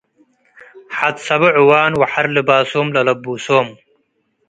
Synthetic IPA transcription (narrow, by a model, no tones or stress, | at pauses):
ħat̪sɐbuʕuwaːnwɐħaɾlibaːsoːmlɐlɐbuːsoːm